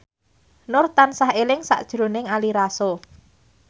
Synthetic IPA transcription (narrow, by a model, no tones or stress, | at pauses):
nʊrt̪ansaɦelɪŋsa̰ʔd̥ʒ̥ɾo̤nɪŋaliɾaso